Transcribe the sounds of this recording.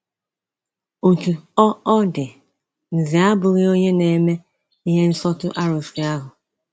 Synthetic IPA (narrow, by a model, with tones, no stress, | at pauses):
o˨t͡ʃu˨ɔ˦ɔ˦dɪ˨ | n̩˨zi˨a˦bʊ˨ɾi˦o˦ɲe˦ne˨me˦ | i˦ɦe˦n̩˦sɔ˦tʊ˦ʔa˦ɾo˨fi˨a˦ɦʊ˨